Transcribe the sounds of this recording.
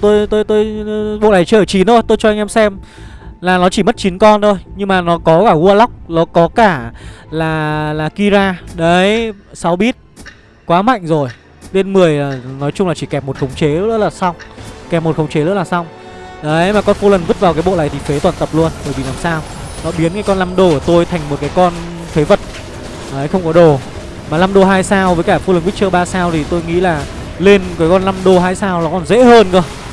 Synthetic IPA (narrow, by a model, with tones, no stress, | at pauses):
t̪o˧jt̪o˧jt̪o˧jɓo̰˧˨laː˨˩jt͡ɕəː˧˨˩t͡ɕi˨˦no˧jt̪o˧jt͡ɕɔ˧ʔa˧jŋ̟ʔɛ˧msɛ˧m | laː˨˩nɔ˨˦t͡ɕi˧˩mə˦˥t̚t͡ɕi˨˦nkɔ˧nto˧jɲɨ˧ŋmaː˨˩nɔ˨˦kɔ˨˦kaː˧˩ɣu˧əla˦˥wk͡p̚nɔ˨˦kɔ˨˦kaː˧˩laː˨˩laː˨˩ki˧zaː˧ɗə˨˦jsa˨˦wɓi˦˥t̚ | kwaː˨˦ma̰˧˨jŋ̟zo˨˩j | le˧nmɨ˨˩əjaː˨˩nɔ˨˦jt͡ɕʊ˧ŋ͡mlaː˨˩t͡ɕi˧˩kɛ˨˩p̚mo˨˩t̚xə˨˦wŋ͡mt͡ɕe˨˦ə̰˦˥˦laː˨˩sa˧wŋ͡mkɛ˨˩p̚mo˨˩t̚xə˧wŋ͡mt͡ɕe˨˦zə̰˦˧˥laː˨˩sa˧wŋ͡m | ʔə˨˦jmaː˨˩kɔ˧nfo˧lə˨˩nvɨ˦˥t̚vaː˨˩kaː˨˦jɓo̰˧˨la̰ː˧˨jt̪ʰi˨˩fe˨˦t̪waː˨˩nt̪ə˨˩p̚lu˧ənɓəː˧˩jɓḭ˧˨laː˨˩msaː˧wnɔ̰˨˧˦ɓi˨˦ənkaː˨˦jkɔ˧nla˧mɗo˧ku˧˩ət̪o˧jt̪ʰa˨˩jŋ̟mo˨˩t̚kaː˨˦jkɔ˧n | fe˨˦və˨˩t̚ | ʔəː˨˦jxə˧wŋ͡mkɔ˨˦ɗo˨˩ | maː˨˩la˧mɗo˧ɦaː˧jsaː˧wvəː˨˦jkaː˧˩fo˧lə˨˩nki˦˥t͡ɕɨː˧ɓaː˧saː˧wt̪ʰi˨˩t̪o˧jŋḭ˧˥laː˨˩ | le˧nkəː˨˦jkɔ˧nla˧mɗo˧ɦaː˧jsaː˧wlaː˨˩kɔ˨˩nzḛ˧˥həː˧nkə˧